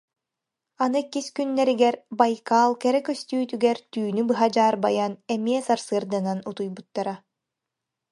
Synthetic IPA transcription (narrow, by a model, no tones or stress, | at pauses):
anɯkiskynːɛɾiɡɛɾbajkaːlˠkɛɾɛkœst̪yːt̪yɡɛɾt̪yːnybɯɦad͡ʑaːɾbajanɛmiɛsaɾsɯːɾd̪ɯnanut̪ujbut̪ːaɾa